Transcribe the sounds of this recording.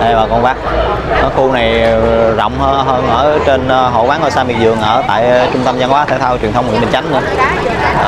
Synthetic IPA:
ʔvaː˨˩kɔ˧nvaː˦˥k̚ | ʔɔ˨˦xu˧na˨˩jzɔ̰˧˨wŋ͡mhə˧ɦəː˧nʔəː˧˩t͡ɕe˧nɦo̰˧˨vwaː˨˦˥ʔəː˧˩saː˧mi˨˩k̚zɨ˨˩əŋʔəː˧˩t̪a̰ː˧˨jt͡ɕʊ˧ŋ͡mt̪ə˧mzaː˧nwaː˨˦t̪ʰaː˧˩t̪ʰaː˧wt͡ɕwnt̪ʰə˧wŋ͡mwḭ˧˥˨ɓi˨˩nt͡ɕa˨˦ŋnɨ̰˧ə˧

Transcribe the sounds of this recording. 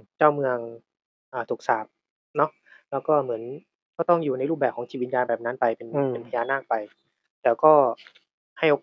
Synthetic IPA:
t͡ɕaː˥˩wmɯ˧əŋ | ʔaː˨˩t̪ʰu˨˩k̚saː˨˩p̚ | nɔ˦˥ʔ | lɛː˦˥wkɔː˥˩mɯ˩˦ən | kɔː˥˩t̪ɔ˥˩ŋjuː˨˩na˧jɾu˥˩p̚ɛː˨˩p̚kʰɔː˩˦ŋt̪ʰiː˧˩i˧˩t̪̚jaː˧nbɛː˨˩p̚na˦˥npa˧jpe˧npe˧npʰa˧jaː˧naː˥˩k̚pa˧j | t̪ɛː˨˩wkɔː˥˩ | ha˥˩jʔo˨˩k

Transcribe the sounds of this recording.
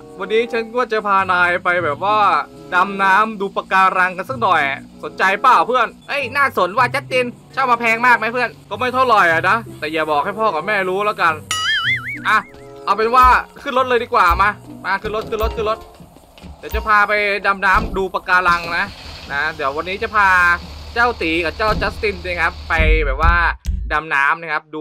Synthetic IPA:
wa˧nːiː˦˥t͡ɕʰa˦˥nkɔː˥˩t͡ɕa˨˩pʰaː˧naː˧jpa˧jbɛː˨˩p̚waː˥˩ | da˧mnaː˦˥mduː˧pa˧kaː˧ɾa˧ŋka˧nsa˥˩k̚nɔ˨˩jʔa̰˨˩so˩˦nt͡ɕa˧jpaː˥˩wpʰɯ˥˩ənʔɤ˦˥˩jnaː˥˩so˩˦nwaː˥˩t͡ɕa˦˥t̪̚t͡ɕe˧n | t͡ɕʰa˥˩wmaː˧pʰɛː˧ŋmaː˥˩k̚ma˦˥pʰɯ˥˩ənkɔː˥˩ma˥˩jt̪ʰa˥˩wlɔ˨˩jʔa˨˩na˦˥t̪ɛː˨˩jaː˨˩bɔː˨˩k̚ha˥˩jpʰɔː˥˩ka˨˩p̚mɛː˥˩ɾuː˦˥laː˦˥wka˧n | ʔaː˧˩ʔa˧wpe˧nwaː˥˩kʰɯ˥˩nlo˦˥t̪̚ɤː˧diː˧kwaː˨˩maː˧maː˧kʰɯ˥˩lo˦˥t̪̚kʰɯ˥˩˨lo˦˥t̪̚kʰɯ˥˩˨lo˦˥t̪̚ | diː˨˦wt͡ɕa˨˩pʰaː˧pa˧jda˧mnaː˦˥mduː˧pa˧kaː˧la˧ŋna˦˥na˦˥di˨˩˦əwa˧nːiː˦˥t͡ɕa˨˩pʰaː˧t͡ɕaː˥˩wt̪iː˩˦ka˨˩p̚t͡ɕaː˥˩wt͡ɕa˦˥t̪i˥˩nt͡ɕi˧˥˦kʰa˦˥pːa˧jbɛː˨˩p̚waː˥˩da˧mnaː˦˥mna˧˩kʰa˦˥p̚duː˧

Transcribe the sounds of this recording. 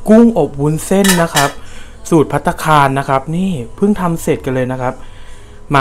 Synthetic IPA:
ku˥˩ŋʔo˨˩p̚wu˧˥nse˥˩nːa˦˥kʰa˦˥p̚ | suː˨˩t̪̚pʰa˦˥t̪ʰːa˧kʰaː˧nːa˦˥kʰa˦˥p̚niː˥˩pʰɯ˥˩ŋt̪ʰa˧mse˨˩t̪̚ka˧nlɤː˧jna˦˥kʰa˦˥p̚ | ma˧

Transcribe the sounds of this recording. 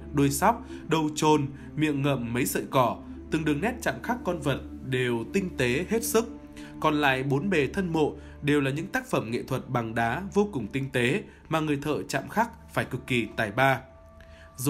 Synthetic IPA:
ɗo˧jsa˦˥wk͡p̚ | ɗə˧˩wt͡ɕo˨˩n | mḭ˧˨əŋŋə̰˧˨mːə˨˦jsə̰ː˧˨jkɔ˧˩ | t̪ɨ˨˩ŋɗɨ˨˩əŋnɛ˦˥t̚t͡ɕa̰ː˧˨mxaː˦˥kːɔ˧nvə˨˩t̚ɗe˨˩wt̪ï˧ŋ̟t̪e˨˦he˦˥t̚sɨ˦˥k̚ | kɔ˨˩nla̰ː˧˨jɓo˨˦nɓe˨˩t̪ʰə˧nmo̰˧˨ | ɗe˨˩wlaː˨˩ɲɨ̰˧˥ŋt̪aː˦˥k̚fə˧˩mŋḛ˧˨t̪ʰwə˨˩t̚ɓa˨˩ŋɗaː˨˦vo˧kʊ˨˩ŋ͡mt̪ï˧ŋ̟t̪e˨˦ | maː˨˩ŋɨ˨˩əjt̪ʰə̰ː˧˨t͡ɕa̰ː˧˨mxaː˦˥k̚faː˧˩jkɨ˨˩kːi˧˩t̪a̰ː˧˩jɓaː˧ | z

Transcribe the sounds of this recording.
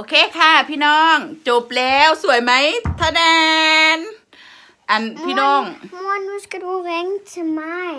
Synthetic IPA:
ʔʔo˧kʰeː˧˥˨kʰa˧˩pʰiː˧˥˨nɔː˧˥˩ŋt͡ɕo˧˩p̚lɛː˦˥wsu˨˩˦əjma˦˥jt̪ʰa˧nɛ˧n | ʔa˨˩npʰiː˧nɔː˧˥˩ŋmu˧nu˧˥ska˧tu˧ɣɛ˧ŋtʰɯ˧ma˧˥j

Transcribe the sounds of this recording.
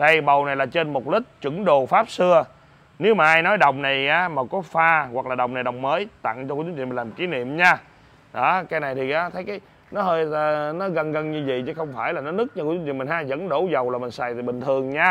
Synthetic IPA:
ɗə˧jɓə˨˩wna˨˩jlaː˨˩t͡ɕe˧nmo˨˩t̚lï˦˥k̟̚t͡ɕwɨ˧˩˥ŋɗo˨˩faː˦˥p̚sɨ˧ə | ne˨˦wmaː˨˩ʔaː˧jnɔ˨˦jɗə˨wŋ͡mna˨˩jaː˨˦maː˨˩kɔ˨˦faː˧ɣwa˨˩k̚laː˨˩ɗə̰˨˩wŋ͡mna˨˩jɗə̰˨wŋ͡mməː˨˦jt̪a̰˧˨ŋt͡ɕɔ˧kːt͡ɕu˧˦w̰m˨laː˨˩m˩ki˨˦nḭ˧˨əmɲaː˧ | ɗɔ˨˦kaː˨˦jna˨˩jt̪ʰi˨˩ʔaː˨˦t̪ʰə˨˦jkaː˨˦j | nɔ˨˦ɦəː˧jnɔ˨˦ɣə˧nɣə˧nɲɨ˧vḭ˧˨t͡ɕɨ˨˦xə˧wŋ͡mfaː˧˩jlaː˨˩nɔ˨˦nɨ˦˥k̚ɲa˧kːt͡ɕu˦wḭ˧˨mi˨˩ŋhaː˧jzə̰˧˥nɗo˧˩zə˨˩wlaː˨˩mï˨˩ŋ̟saː˨˩jt̪ʰi˨˩ɓï˨˩ŋ̟t̪ʰɨ˨˩əŋɲaː˧

